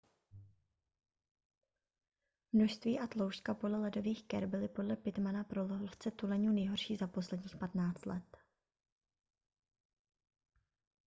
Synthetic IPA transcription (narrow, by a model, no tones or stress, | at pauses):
mnoʃst̪viːʔat̪lo̞wʃkapo̞dlɛlɛdo̞viːxkɛɾbɪlɪpo̞dlɛpɪt̪manapɾoloɦoft͡sɛt̪ulɛɲuːnɛjɦo̞ɾʃiːzapo̞slɛdɲiːxpat̪naːt͡st̪lɛt̪